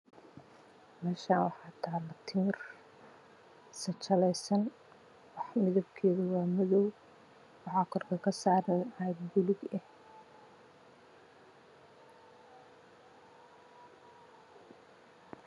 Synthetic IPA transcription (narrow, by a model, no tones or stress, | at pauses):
mɛːʃaːnwɑħɑːt̪ʰaːlɐt̪ʰɪmɪr | sɐt͡ʃɐlɛjsɐn | wɑħmɪðɐbkʰɛːðʊwɑːmɐðɔw | ʕɑkʰɔrkʰɐkʰɐsaːɾɐnajd̪bʊlɪɡɛh